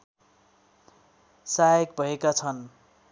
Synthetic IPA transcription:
saʌkbʱʌekat͡sʰʌn

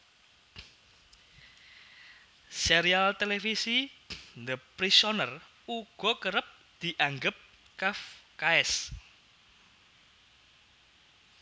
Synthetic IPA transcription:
seɾialt̪elefisind̪əpɾisɔnər | uɡ̥ɔ̤kəɾəp̚ | d̪̥i̤ʔaŋɡəp̚ | kafkaɛs

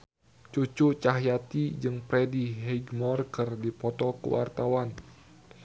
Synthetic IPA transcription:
t͡ʃut͡ʃut͡ʃaɦjat̪id͡ʒɨŋpɾɛdiɦɛɡmɔrkərdipɔt̪ɔkə̰wa̰rt̪awan

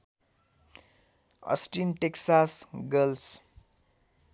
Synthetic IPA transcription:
ʌ̰sʈinʈeksasɡʌls

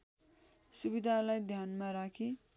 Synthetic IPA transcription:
subid̪ʱalajd̪ʱjanmaɾakʰi

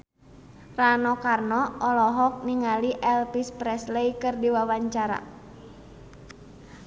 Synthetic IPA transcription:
ranɔkarnɔɔlɔɦɔk̚niŋaliʔɛlpispɾɛslɛjkɨrdiwawaɲt͡ʃaɾa̰

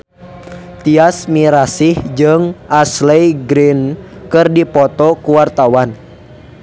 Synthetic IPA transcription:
t̪iasmiɾasihd͡ʒɨŋʔaslɛjɡɾinkɨrdipɔt̪ɔkuwart̪awan

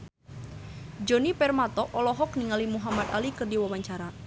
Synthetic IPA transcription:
d͡ʒonipɛrmat̪ɔʔɔlɔɦɔk̚niŋalimuɦamat̪alikɨrdiwawaɲt͡ʃaɾa

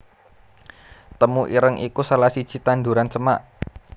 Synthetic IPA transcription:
t̪əmuʔiɾəŋʔikusalahsid̥ʒ̥i̤t̪and̪uɾant͡ʃəmaʔ

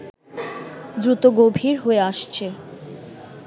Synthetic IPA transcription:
d̪ɾut̪oɡobʱiɾɦoeaʃt͡ɕʰe

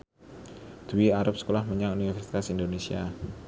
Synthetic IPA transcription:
d̪̥uwiaɾʊp̚sə̥kolahməɲaŋunifɛfɛrsi̥t̪asindonesia

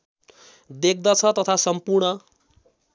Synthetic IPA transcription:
d̪ek̚ʰd̪ʌt͡sʰʌt̪ʌt̪ʰasʌmpurɳʌ

